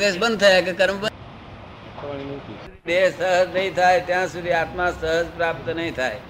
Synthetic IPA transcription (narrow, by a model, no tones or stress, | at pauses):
ɡesbə̃nd̪̚t̪ʰəjakekəɾməbə | əɳinət̪ʰid̪ʱid̪esəɦəd͡ʒnəɦĩt̪ʰajt̪jãsud̪ʱiat̪mãsəɦəd͡ʒpɾap̚t̪nəɦĩt̪ʰae